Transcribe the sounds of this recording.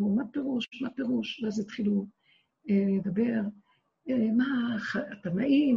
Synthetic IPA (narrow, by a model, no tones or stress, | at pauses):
umape̞ʁuʃmapeʁuʃveazjat̪χilu | eled̪abe̞ʁ | emaχaat̪anaʔim